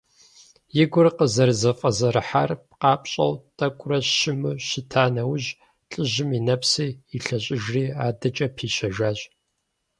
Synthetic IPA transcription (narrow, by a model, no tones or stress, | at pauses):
jɪɡʷʊrqəzɐrzɐfʼɐzɐɾɨħarp̚qɑːpʼɕʼɐ̰wtʼɐkʷʼʊrɐʃɪmɨɕɪtʰaːnɐwʊʑ | ɬʼɨʑɪminɐpsiːiɬɐɕʼɪʒriːaːdɐt͡ʃʼɐpʰiːɕɐʒaːʑ